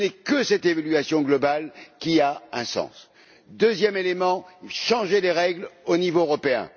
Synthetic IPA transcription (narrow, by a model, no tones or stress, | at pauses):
nɛkəsɛt̪evalɥasjɔ̃ɡlɔbalkʲiaɛ̃sɑ̰̃s | d̪øzjɛmelemɑ̃ʃɑ̃ʒeleʁɛɡlonivoøʁɔpeɛ̰̃